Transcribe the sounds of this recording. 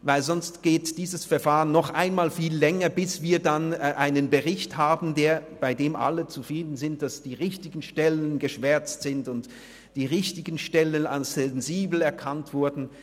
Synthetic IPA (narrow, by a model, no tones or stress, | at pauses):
vaɪlzɔnstɡ̥eːtd̥iːzəsfɛɐfaːʁənːɔχʔa̰ɪnmaːlfiːlːɛŋɐbɪsv̥iːɐdanʔaɪnənbəʁɪçthaːbn̩deːɐb̥aɪdeːmʔa̰lət͡sufʁ̥iːdn̩zɪnt̚d̥asd̥iːʁɪçtɪɡn̩ʃtɛlənɡəʃv̥ɛɐt͡stz̥ɪntʊnt | d̥iːʁɪçtɪɡən̩ʃtɛləna̰nsɛnziːbl̩ɛɐkʰantv̥ʊɐdn̩